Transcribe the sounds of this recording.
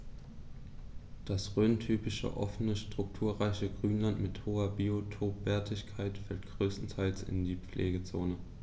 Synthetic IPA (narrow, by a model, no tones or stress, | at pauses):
d̥asʁøːntʰyːpɪʃə̰ʔɔ̰fənəʃtʁ̥ʊk̚tʰuːɐʁaɪçəɡʁyːnlantmɪthoːɐbiotʰoːpv̥ɛɐtʰɪçkʰaɪtfɛltɡ̥ʁøːstn̩tʰaɪlt͡sɪ̰ndiːp͡flʔḛːɡət͡soːnə